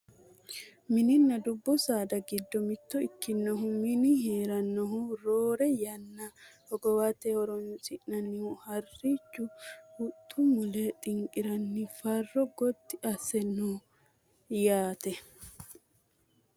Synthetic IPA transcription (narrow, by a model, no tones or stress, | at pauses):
mɪnɪnːɐd̪ʊbːɔsaːd̪ɐɡɪd̪ːɔmɪt̪ːɔɪkːɪnːɔɦumɪnɪɦeːɾɐnːɔɦuɾoːɾɛjɐnːɐhɔɡɔwat̪ːehɔɾɔnʊsʼɪʔnɐnːɪhuhɐrːiːt͡ʃːʊhʊt̪ʰʼːʊmʊleːt̪ʼɪŋkʼɪɾɐnːɪfɐrːɔɡɔt̪ːɪʔɐsːɛnːuː | jaːt̪ɛ